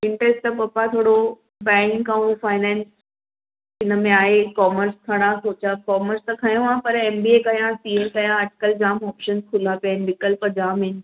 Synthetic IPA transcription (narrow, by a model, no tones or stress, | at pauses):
ɪ̃ɳʈɾesʈt̪ɐpɐpat̪ʰoːɽo | bɛ̃ːŋkːaũfaːɪnɛ̃ːns | ɪnə̆mẽaːɦekɔːməɾsk̪ʰɐɽ̃ãsoːt͡ɕakɔːməɾst̪ɐkʰɐjõãpɐɾeːmbiekɐjãsiːelkɐjãɐʈkəld͡ʑaːmɔːpʃənskʰʊl̤apjanɪ̆nɪkəlpɐd͡ʑaːmɪnɪ̆